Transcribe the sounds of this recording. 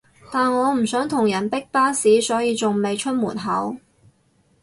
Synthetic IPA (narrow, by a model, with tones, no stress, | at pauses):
t̪aː˨nŋɔː˨˧m̩˨˩sœː˨˥ŋt̪ʰʊ˨˩ŋjɐ˨˩npɪ˥k̚paː˥siː˨˥sɔː˨˥jiː˨˧t͡sʊ˨ŋme˨jt͡ʃʰɵ˥t̚muː˨˩nɦɐ˨˥w